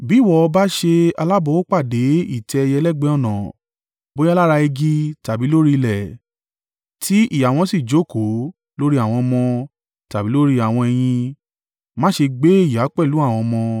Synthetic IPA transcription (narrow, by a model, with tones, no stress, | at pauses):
bi˨˦˨wɔ˦ɔ˧ba˦ʃe˧a˧la˦bo˧˦o˦k͡pa˦˨de˨˦ḭ˦˨tɛ˧jɛ˧lɛ˦ɡ͡bɛ˦ɔ˦˨nã˨ | bõ˨˦la˦ɾa˧e˧ɡi˦ta˨bi˨˦lo˦ɾi˦˧lɛ˨ | tʰi˨˦i˦˨ja˨w̃ɔ̃˧si˦˨d͡ʒo˨˦˨ko˨˦ | lo˦ɾi˦a˦˨w̃ɔ̃˧mɔ̃˧ | ta˨bi˨˦lo˦ɾi˦a˦˨w̃ɔ̃˧ɛ˧j̃ĩ˧ | mãː˦ʃe˧ɡ͡be˦i˦˨ja˨˦k͡pɛ˦˨lu˨˦a˦˨w̃ɔ̃˧mɔ̃˧